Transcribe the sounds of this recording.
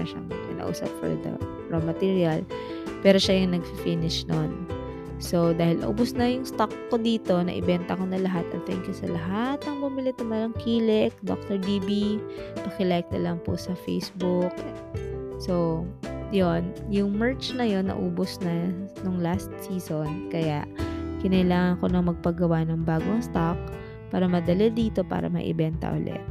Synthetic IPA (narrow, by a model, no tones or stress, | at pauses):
ɐʃɐ̰ŋkɪ̰na̰ʔṵːsɐ̰p̚fɔ̰ɹd̪ɐ̰ | ɹomɐt̪iːɹiɐl | pɛːɾo̞ʃajʊŋnɐɡ̚fifinɪʃnon | so̞d̪aːhɪlʔɐ̰ʔṵːbʊsnɐjʊŋst̪okːod̪iːt̪o̞nɐ̰ʔɪbɛnt̪ɐkonɐlɐɦat̪̚ʔɐt̪̚t̪ɛ̰ŋkʊsɐlɐɦat̪̚nɐŋbʊmɪlɪt̪ʊmalɐŋkʰiːlɛk̚d̪o̰k̚t̪oɹd̪iːbipɐkɪlɛjk̚nɐlɐŋpo̰sɐfḛjsbʊk | sojonjʊŋmɛɹt͡ʃnɐjo̞nːɐ̰ʔuːbosnɐnoŋlast̪̚siːsonkɐja̰ʔkɪnɐlaːŋɐnko̞nɐŋmɐɡ̚pɐɡɐwanɐŋbaːɡoŋst̪ak̚ | paːɾɐmɐd̪ɐlɛd̪iːt̪o̞pa̰ːɾɐ̰mɐ̰ʔɪ̰bɛnt̪ɐ̰ʔʊ̰lɛ̰ʔ